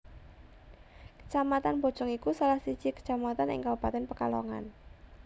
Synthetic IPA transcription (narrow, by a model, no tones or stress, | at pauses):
kə̥t͡ʃamat̪anb̥ɔ̤̥d͡ʒ̥ɔŋikusalahsi̥t͡ʃikə̥t͡ʃamat̪anɪ̰ŋkabupat̪ɛnpəkalɔ̰ŋa̰n